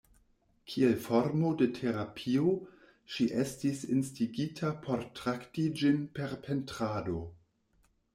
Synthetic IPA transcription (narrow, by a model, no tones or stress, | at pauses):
kʰielfoɾmo̞detʰe̞ɾapʰio | ʃiʔestisinstiɡitʰapʰo̞ɾtɾaktid͡ʒinpe̞ɾpʰe̞ntɾado̞